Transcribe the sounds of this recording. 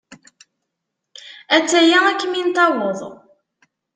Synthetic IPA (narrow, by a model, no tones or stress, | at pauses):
æt͡sːæjæækːmint̪ɑwəðˤ